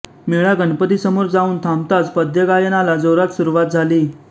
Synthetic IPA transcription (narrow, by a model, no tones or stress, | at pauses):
miɭaɡənpət̪isəmuɾd͡zauːnt̪ʰamt̪at͡spəd̪ʱjəɡajənalad͡zoɾat̪suɾuʋat̪̚d͡zʱaliː